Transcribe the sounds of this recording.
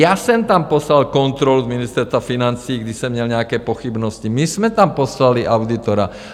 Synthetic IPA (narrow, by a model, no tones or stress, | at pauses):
jasɛmt̪ampɔslalkɔnt̪ɾɔluzminist̪ɛɾst̪ʋafinant͡siːɡd̪isɛmːɲɛlɲɛakɛːpɔxibnɔscimizmɛt̪ampɔslaliʔaʊd̪it̪ɔɾa̰